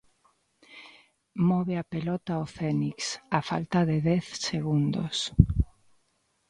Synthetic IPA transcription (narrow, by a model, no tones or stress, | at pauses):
mɔβeapelɔt̪aofɛniksafa̰lt̪aðeðɛθseɣund̪o̰s